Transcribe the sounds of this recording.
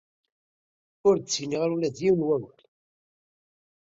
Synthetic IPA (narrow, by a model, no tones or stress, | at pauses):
ʊɾt͡sːiniʁɾulæðjiwnwæwæl